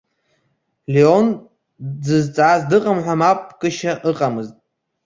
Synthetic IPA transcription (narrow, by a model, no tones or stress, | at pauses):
leon | d͡zɨzt͡sʼaːzdɨqʼamħʷᶣamapʼkʼɨʃaʔɨqʼamɨztʼ